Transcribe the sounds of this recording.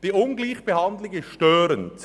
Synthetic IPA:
d̥iːʔʊnɡliːçb̥əhɑndlɪɡəʃtøːɾənt͡s

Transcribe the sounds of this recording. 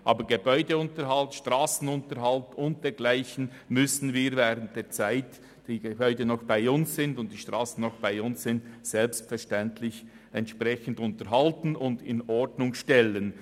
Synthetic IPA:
ʔɑːbəɡebɔʏdəʊntəɾhaltʃtʁaːsn̩ʊntəɾhaltʊnt̚d̥eːɡlaɪçn̩ | mʏsn̩viːɾvɛːʁənt̚d̥eːɐt͡saɪt | d̥iːɡebɔʏdənɔxb̥aɪʊnssɪndʊnt̚d̥iːʃtʁ̥aːsn̩nɔxb̥aɪʊnssɪntsɛlpstfɛʃtɛntʰlɪç | ɛntʃprʁɛçn̩dʊntəɾɦaltn̩ʊndɪnɔɹdnʊŋʃtɛlən

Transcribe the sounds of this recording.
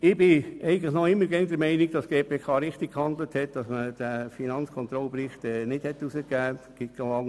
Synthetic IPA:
ɪbɪɛɪɡən̩tləχnɔɪmːəɾɡɛŋdəɾmɛɪnɪɡd̥ɑsɡ̥eːpʰeːkʰɑːɾɪχtik̚khɑnd̪ləthɛt̚d̥ɑsməd̥əfinɑnskʰɔnt̪ɾɔlpɾɪχtɛnɪd̥hɛtːusəkæːɡ̥ɪt̚ɡlɑŋ

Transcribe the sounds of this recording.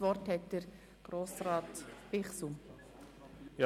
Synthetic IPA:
ʋɔɾthɛt̚d̥əɾ | ɡ̥ɾoːsɾɑːtb̥ɪχsu | jɑ

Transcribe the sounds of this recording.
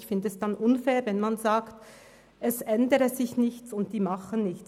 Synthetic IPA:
çfɪndəɛsd̥anʔʊnfɛːʁvɛnmanzaːkt | ʔɛsʔɛndəɾəzɪçnɪçt͡sʊntd̥iːmaχənnɪçt͡s

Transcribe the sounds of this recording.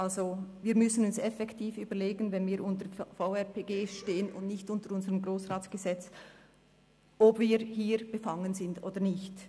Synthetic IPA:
ʔalzoviːɐɾmʏsənʊnsɛfɛktʰiːfyːbəleːɡənvɛnviːɾʔʊntəfaʊɛʁpʰeːɡeːʃteːənʊ̰ndnɪçtʊntəɾʊnzəʁəmɡʁoːsʁaːt͡sɡ̥əzɛt͡s | ʔɔbviːɾhiːɾb̥əfaŋənzɪndoːd̥əɾnɪçt

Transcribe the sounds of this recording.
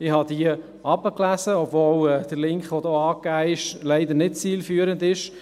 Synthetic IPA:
ɪhɑd̪iə | ɑbəklæzəɔbvoːlɛːd̪̥əɾlɪŋkχʋɔdoːɑːkæːɪʃlɛɪd̪əɾnɪt̚t͡siːlfyːəɾəndɪʃ

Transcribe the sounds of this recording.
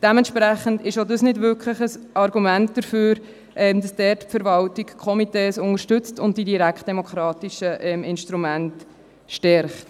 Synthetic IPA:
d̥ɛmɛnʃpɾæχəndɪʃodəsnɪdvʏɾkʰləχəsʔɑɾɡumænt̚d̥əɾføːɾ | ʔɛmd̥ɑsd̥ɛrtpfəɾvɑltikkʰɔmiteːsʊŋəɾʃtʏt͡stʊnd̚d̥idiɾækχtd̥ɛmokχɾɑːtiʃəʔɛmɪnʃtɾumænt | ʃtɛɾχt

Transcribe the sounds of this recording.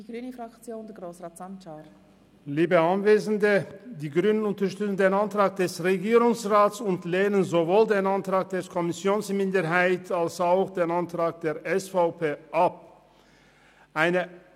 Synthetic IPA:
d̥iɡʁynəfʁakt͡sjoːndɛɡʁoːsʁaːtsant͡ʃaɾ | liːbəanveːzn̩dədiːɡʁyːnənʊntɐʃtʏt͡sn̩deːnantʁ̥aːk̚d̥ɛsʁeɡiːʁʊŋsʁaːtsʊntleːnənzovoːldeːnantʁ̥aːk̚d̥eːɾkʰɔmɪsjoːnsmɪndəɾɦaɪtʰalsaʊxd̥eːnantʁ̥aːk̚d̥eːɐʔɛsfaʊpʰeːʔap̚ | ʔaɪnə

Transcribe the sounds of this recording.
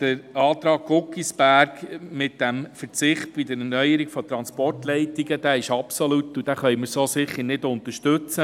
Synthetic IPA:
d̥əɾɑːt̪ɾɑːɡ̚ɡʊkisbæɾɡmɪt̚d̥ɛmfəɾt͡sɪχt̚b̥id̪əɾɛnœjəɾiɡ̥fɔt̪ɾɑnspɔrtlɛɪtiɡəd̥̪æːɪʃɑpsɔlutud̥æχœjməɾsoːsɪχːəɾnɪdʊnt̪əʃtɵt͡sə

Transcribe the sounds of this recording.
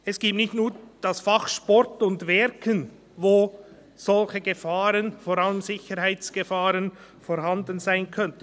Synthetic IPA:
ɛsɡ̥iːp̚tnɪçtnuːɾd̥asfaχʃpɔɾtʊndvɛɾkʰən | voː | z̥ɔlçəɡəfaːɾənfoːɾaləmzɪçəɾhaɪt͡sɡ̥əfaːʁən | foːɾɦandənzaɪnkʰœntə

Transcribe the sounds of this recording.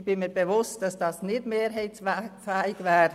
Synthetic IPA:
b̥ɪnmiːbevʊstd̥ɑsd̥ɑsnɪtmeːɾɦɛɪtsfɛːɪɡvɛːɾ

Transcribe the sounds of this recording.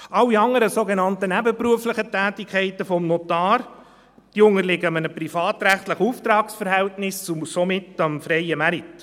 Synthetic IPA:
ʔɑlːiɑŋəɾəsoɡenɑntənæbəpɾuəfləχətæːtikʰɛɪtəfɔmnɔtɑːɾ | d̪̥iʊŋəɾlɪɡəɑmənəpɾifɑːt̪ɾæχtləχəuːft̪ɾɑːksfəɾhɛltnɪsusomɪtɑmfɾɛɪəmæɾit

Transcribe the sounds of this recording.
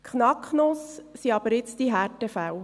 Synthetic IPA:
kχnɑkχnossiɑb̥əɾɪt͡sd̥iɦærtəfæw

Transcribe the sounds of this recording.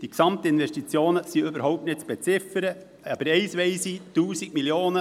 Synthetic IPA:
d̥iksɑmt̪əɪnʋɛʃtit͡sjoːnəsiøbəɾɦɔʊp̚tnɪt̚t͡sb̥ɛt͡sɪfəɾə | ɑbəɾɛɪsʋɛɪsituːsik̚miljoːnə

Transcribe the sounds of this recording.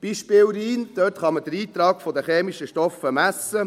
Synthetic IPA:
b̥iːʃpɪːlɾiːnd̥̪øtχɑməd̥̪əɾiːt̪ɾɑːkfod̪əχeːmiʃəʃtɔfəmæsːə

